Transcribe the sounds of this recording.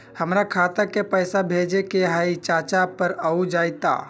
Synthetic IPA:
həmɾakʰat̪əɾkepəjsabʱed͡ʒekeɦait͡ʃat͡ʃapəɾəud͡ʒajt̪a̰

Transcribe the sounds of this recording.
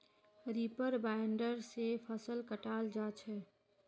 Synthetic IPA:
ɾipəɾbajɳɖəɾsepʰəsəlkəʈald͡ʒat͡ʃʰɛ

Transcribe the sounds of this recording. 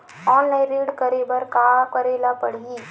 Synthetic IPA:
ɔːnlaɪ̃ɾiːɖkəɾebəɾkakəɾeːlapəɽ̤i

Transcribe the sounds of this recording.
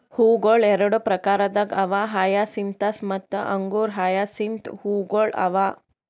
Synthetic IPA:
huːɡoːɭɛɾɐɽupɾɐkaːɾɐd̪ɐɡɐʋaɦaːjasint̪ɐsmɐt̪ːɐ̰ʔɐŋɡuːɾɦaːjaːsint̪huːɡoːɭɐ̰ʋaː

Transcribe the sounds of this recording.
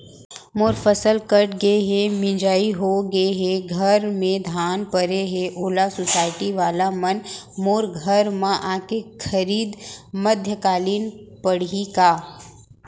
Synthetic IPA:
moːɾfəsəlkəʈɡəeɦemɪ̃d͡ʒaːiɦoɡəeɦeɡʱɐɾmẽd̪ʱaːnpəɾeɦeʔoːlasʊsaːɪʈiʋaːlamɐnmoːɾɡʱəɾmãʔãːkekʰəɾiːd̪məd̪ʱjəkaːliːnpəɽ̤ikaː

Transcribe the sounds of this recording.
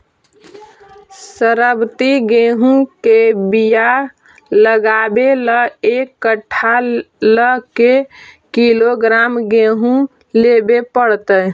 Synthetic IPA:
səɾəbt̪iɡeɦũkebija | ləɡabeləekːəʈʰːaləkekiloɡɾamɡeɦũ | lebepəɽt̪ə

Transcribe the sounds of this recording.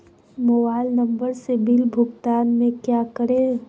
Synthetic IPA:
mobaɪlnəmbəɾsebilbʱʊɡt̪anmekjakəɾe

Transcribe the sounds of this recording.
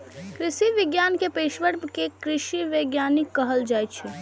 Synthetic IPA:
kɾɪsiʋɪɡjaːnkepeːʃʋəɽmkekɾɪʃiʋəɡjaːnikːəɦəld͡ʒajt̪̚t͡ʃʰɛ

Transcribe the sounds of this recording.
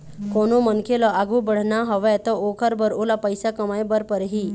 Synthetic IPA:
konomənkelɔʔaɡubəɽ̤naɦəʋet̪ɔokʰəɾbəɾolapəjsakəmajbəɾpəɾɦiː

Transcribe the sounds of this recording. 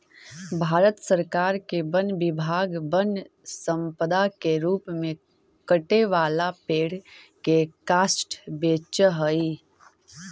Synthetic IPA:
bʱaːɾət̪səɾkaːɾkebənbɪbʱaːɡbən | sə̃mpəd̪akeɾuːpmẽ | kəʈeʋaːlapeːɽ̤ | kekaːsʈbeːt͡ʃəɦəi

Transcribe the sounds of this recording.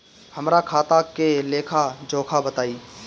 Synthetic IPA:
hɐmɾakʰaːt̪akeleːkʰad͡ʒoːkʰabət̪aːiː

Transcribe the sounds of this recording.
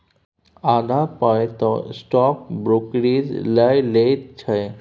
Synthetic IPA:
ad̪ʱapɔjt̪ɔsʈɔk̚bɾokɾizləjlet̪t͡ɕʰaj

